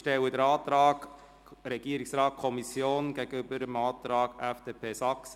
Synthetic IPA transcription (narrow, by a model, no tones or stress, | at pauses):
ʃtɛwədəɾɑːt̪ɾɑːɡ̥ | ɾɛɡ̥iəɾɪksɾɑːt̚kʰɔmisjoːnɡeɡ̥əʏbəɾəmɑːt̪ɾɑːɡ̥ɛfd̥eːpʰeːsɑks